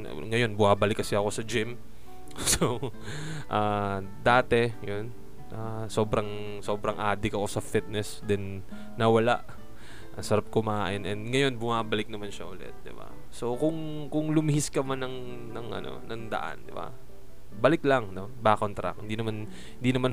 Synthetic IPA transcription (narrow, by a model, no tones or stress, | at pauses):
ŋɐjo̞nbʊmaːbɐlɪkːɐsɪɐko̞sɐd͡ʒɪm | so | ʔaː | d̪aːt̪ɛjon | ʔaː | so̞ːbɾɐŋ | so̞ːbɾɐŋʔaːd̪ɪkɐko̞sɐfit̪̚nɛsd̪ɛnː | ɐwɐla̰ʔ | ʔɐsɐɾap̚komɐaʔaːʔɪnʔɛnd̪ŋɐjo̞nbʊmaːbɐlɪk̚nɐmanʃɐʔʊlɛ̰t̪̚d̪ɪba̰ | so̞kʊŋ | kʊŋlʊmɪhɪskɐmanɐŋ | nɐŋʔɐ̰no̞̰nɐŋd̪ɐ̰ʔa̰nd̪ɪba̰ | bɐlɪklɐŋno̞baːkont̪ɾa̰k̚hɪnd̪inɐman | hɪnd̪inɐman